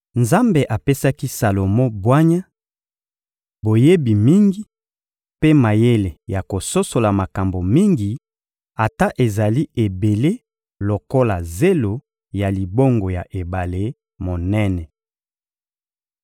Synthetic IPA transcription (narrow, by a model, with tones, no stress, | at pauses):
nza˦mbe˨ʔa˨pe˦sa˦ki˦sa˨lo˨mɔ̃˦bwa˦ɲa˦ | bo˨je˦bi˨mi˦ŋɡi˨ | pe˦ma˨je˦le˨ja˨ko˨so˦so˨la˨ma˨ka˨mbo˨mi˦ŋɡi˨ | a˨ta˦ʔe˨za˨li˦e˨be˨le˦ | lo˨ko˦la˨ze˦lo˨ | ja˨li˨bo˦ŋɡo˨ja˨ʔe˨ba˨le˦ | mo˨nɛ˦nɛ˨